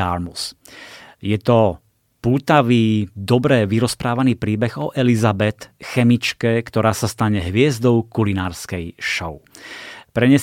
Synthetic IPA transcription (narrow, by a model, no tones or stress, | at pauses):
aɾmus | jɛt̪ɔ | puːt̪aʋiːd̪ɔbɾɛʋiɾɔspɾaːʋaniːpɾiːbɛɣɔʔɛlizabɛt̪xɛmit͡ʃkɛkt̪ɔɾaːsast̪aɲɛɦʋɪɛzd̪ɔʊkulinaːɾskɛjʃɔʊpɾɛɲɛ